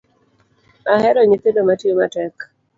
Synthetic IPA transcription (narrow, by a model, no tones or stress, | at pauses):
mahɛɾɔɲet̪edomatjomatɛk